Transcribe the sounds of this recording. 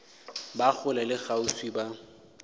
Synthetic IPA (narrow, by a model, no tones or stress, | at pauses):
bak͡xʰʊlalɪɣausiba